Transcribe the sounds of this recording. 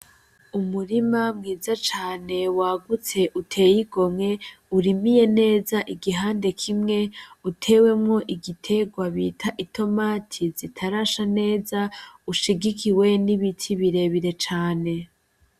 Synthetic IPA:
umuɾimamŋiːzat͡ʃaːne̞waːɡut͡se̞ʔutʰe̞ːjiɡo̞mŋe̞ | uɾimije̞ne̞ːzaʔiɡiɦaːnde̞kʰimŋe̞utʰe̞ːwe̞mŋo̞ʔiɡitʰe̞ɡwaβiːtʰaʔitʰo̞maːtʰizitʰaɾaʃane̞ːzauʃiɡikʰiwe̞niβitʰiβiɾe̞βiɾe̞t͡ʃaːne̞

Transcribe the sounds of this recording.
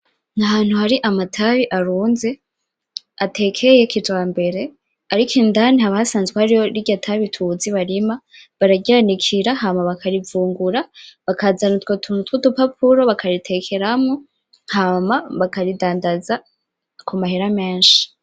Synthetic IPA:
naɦaːn̥huhaɾiʔamatʰaβiʔaɾuːnze̞ | atʰe̞kʰe̞je̞kid͡ʒwaːmbe̞ɾe̞ | aɾikʰiːndanihaβahasaːnzɡwehaɾijo̞ɾiɡɟatʰaβitʰuziβaɾima | βaɾaɡanikʰiɾahamaβakʰaɾivuːŋɡuɾaβakazanutwotʰunutwutupap̚ʰuɾo̞βakʰaɾitʰe̞kʰe̞ɾamŋo | hamaβakaɾidaːndaza | kumaheɾame̞ːnʃi̥

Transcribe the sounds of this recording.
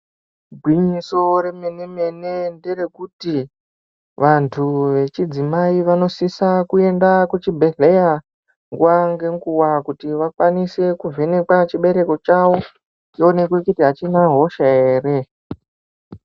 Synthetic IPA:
ɡʱwiɲiso̞ɾe̞meneme̞ne̞ndere̞kuti | ʋantʰuʋe̞t͡ʃid͡zimaiʋano̞sisakue̞ndakut͡ʃibʱe̞ɮe̞ja | ŋɡuwaŋɡe̞ŋɡuwakutiʋakwanise̞kuvʱe̞ne̞kwat͡ʃiɓe̞ɾe̞ko̞t͡ʃawo̞ | t͡ʃione̞kwekutiɦat͡ʃinaɦo̞ʃae̞ːre̞

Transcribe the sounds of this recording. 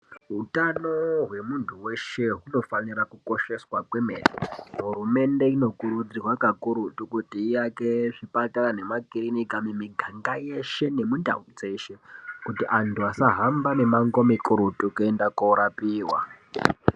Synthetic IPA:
ɦutanoɦwe̞muntʰuwe̞ʃe̞ɦuno̞fanirakuko̞ʃe̞swakwe̞meːnḭɦɦurume̞nde̞ino̞kuɾud͡zirwakakuɾutukutiːjake̞ʐipatarane̞makirinikamemiɡʱaŋɡaje̞ʃe̞ne̞munda̰ud͡ze̞ʃe̞kutiʔantʰuasaɦambane̞maŋɡo̞mikuɾutukuendakoɾapiːwa̰

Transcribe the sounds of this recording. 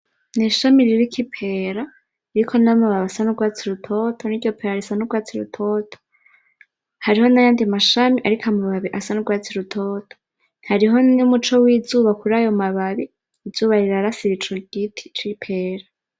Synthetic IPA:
neʃamiɾiɾikʰipʰe̞ːɾa | iɾikʰo̞namuβaβasanuɡwaːt͡siɾutʰo̞tʰoniɟo̞pʰeɾaɾisanuɡwaːt͡siɾṵtʰo̞ːtʰo̥ | haɾiho̞najaːndimaʃamiʔaɾikʰamuβaβiʔasanuɡwaːt͡siɾutʰoːtʰo̥ | haɾiɦo̞nimut͡ʃo̞wiːzuːβakuɾajo̞maβaβiː | z̥uːβaɾiɾaɾasiβit͡ʃoɡitʰi̥t͡ʃipʰe̞ːɾa

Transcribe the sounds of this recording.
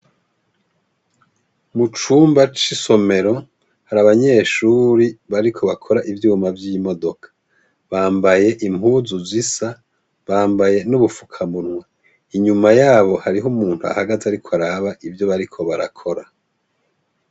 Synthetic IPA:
mut͡ʃuːmbat͡ʃiso̞me̞ɾo̞ | haɾaβaɲe̞ːʃuːɾiβaɾikʰo̞βakʰo̞ɾaʔivjuːmavjiːmo̞do̞kʰḁ | βaːmbaje̞ʔim̥huːzuzisa | βaːmbaje̞nuβufukʰamunwa | iɲumajaːβo̞haɾiɦumuːnthua̰haɡazaɾikʰoaɾaːβaʔivjo̞βaɾikʰo̞βaɾa̰kʰo̞ɾa

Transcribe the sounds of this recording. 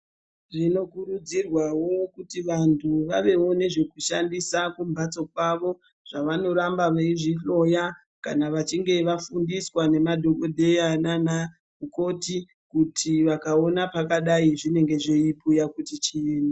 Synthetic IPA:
ʐino̞kuɾud͡zirwawo̞kutiʋantʰuʋaʋe̞wo̞ne̞ʐe̞kuʃandisakumbʱat͡so̞k̚waʋo̞ | ʐ̥aʋano̞ɾambaʋaiʐiɬo̞ja | kanaʋat͡ʃiŋɡe̞ʋafundiswane̞madʱo̞ko̞dʱe̞anana | uko̞ti | kutʰiʋakao̞napakaɗaiʐine̞ŋɡe̞ʐeipujakutit͡ʃieːna

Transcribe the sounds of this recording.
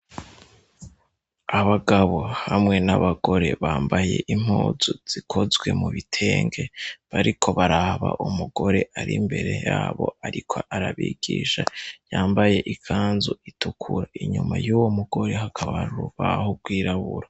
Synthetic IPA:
aβaɡaβo̞hamŋe̞naβaɡo̞ɾe̞βaːmbaje̞ʔim̥oːzuz̥ikʰo̞zɡwe̞muβitʰe̞ːŋɡe̞βaɾikʰo̞βaɾaβa̰ʔumuɡ̥o̞ɾe̞ʔaɾʔimbe̞ɾe̞jaːβo̞̰aɾikʰoʔaɾaβiːɡ̥iːʃajaːmbaje̞ʔikʰaːnzuitukʰuɾaiɲumajuːwomuɡo̞ɾe̞hakʰaβaɾuɾuβahoɡwiːɾaβuɾa

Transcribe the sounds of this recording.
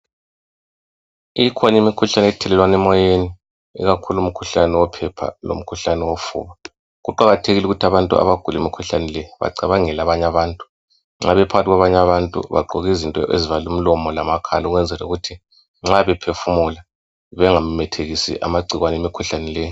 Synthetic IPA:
iikʰɔɲimikʰuɬanɛtʰɛlɛlwanɛmɔjeni | ḭɣakʰulum̩kʰuɬanɛwɔpʰɛpʰa̰lo̰m̩kʰuɬanɛwofṵːβa | ɣuǃaɣatʰeɣiluɣutʰaβantʼṵa̰βaɡ̥ʱulemikʰuɬanɛlɛβa̰ǀaβaŋɛlaβaɲaβaːntʼu̥ | ŋ͡ǁaβɛpʰaɣatiɣwaβaɲaβantʼṵβa̰ǃʱɔɣizintʼɔ̰ʔḛzivalum̩lɔmɔlamakʰa̰lauɣwɛnd͡zʱɛlauɣutʰi | ŋ͡ǁaβɛpʰefumula | βɛŋam̩mɛtʰeɣisḭʔa̰maɡ͡ǀʱiɣwanemikʰuɬanɛlɛːj

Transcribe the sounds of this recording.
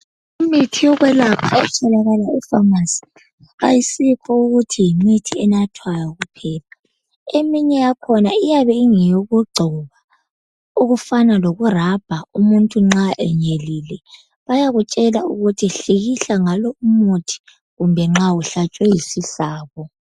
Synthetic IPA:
umitʰijɔɣwɛlapʰaɛt͡ʃʰalaɣalaifamasi̥ | ajisipʰɔuɣutʰijimitʰiɛnatʰwajaɣupʰɛːpʰḁ | emiɲɛjakʰɔnaijaβɛiŋijoɣuɡ͡ǀʱuβa | uɣufanaloɣurab̥ʱaumuntʼuŋ͡ǁaʔɛɲelilɛ | βajaɣut͡ʃʼɛlauɣutʰiɬiɣiɬaŋalɔumutʰi̥ | ɣumbʱɛŋ͡ǁauɬat͡ʃʼwɛjisiɬaːɣɔ

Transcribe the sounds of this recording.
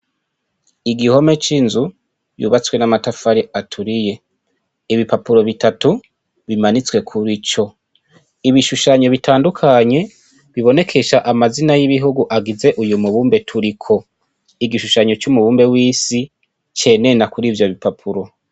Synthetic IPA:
iɡiho̞me̞t͡ʃinzu | jṵːβat͡swe̞namatafaɾiatʰuɾije̞ | iβipapuɾo̞βitatu | βimanit͡swe̞kʰuɾit͡ʃo̞ | iβiʃuʃaɲo̞βitʰaːndukʰaɲe̞ | βiβo̞ne̞kʰe̞ʃaʔamazinajiβiɦuɡuʔaɡize̞ʔujumuβuːmbe̞tʰuɾikʰo̞ | iɡiʃuʃaɲo̞t͡ʃumuβuːmbe̞wiːsi | t͡ʃe̞ne̞nakuɾivjo̞βipapʰuɾo̞

